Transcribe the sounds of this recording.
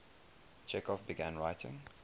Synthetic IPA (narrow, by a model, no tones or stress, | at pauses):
d͡ʒɛkɔfbiɡæ̃nɹaɪtʰɪ̰̃ŋ